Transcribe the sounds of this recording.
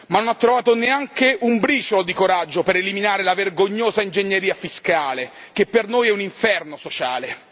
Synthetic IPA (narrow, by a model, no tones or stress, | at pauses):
manːonat̪ːɾovaːt̪oneaŋkeʔumbɾiːt͡ʃolod̪ikoɾad͡ʒːopeɾeliminaːɾelaverɡoɲːoːzaind͡ʒeɲːeɾiːafiskaːle | k̟epːernoːjɛuniɱfɛrnosot͡ʃaːle